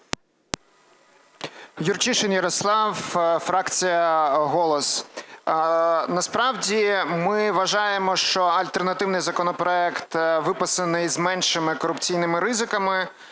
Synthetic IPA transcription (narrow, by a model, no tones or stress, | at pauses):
jurt͡ʃiʃenjɐɾɔslˠɑwfɾɑkt͡sʲijɐɦɔlˠɔs | nɐspɾɑwdʲimɪʋɐʒɑjemɔʃt͡ʃɔɐlʲt̪ernɐt̪ɪwnɪjzɐkɔnɔpɾɔɛkt̪ʋɪpɐsɐnɪjzmɛnʃɪmɪkɔɾʊpt͡sʲijnɪmɪɾɪzɪkɐmɪ